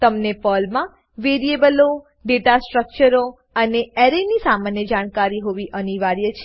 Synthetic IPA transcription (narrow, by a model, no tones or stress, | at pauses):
t̪əmnepəlmã | ʋeɾiebəlo | ɖeʈasʈɾək̚t͡ʃəɾo | əneeɾenisamanjəd͡ʒaɽ̃kaɾiɦoʋiʔəniʋaɾjət͡ʃʰ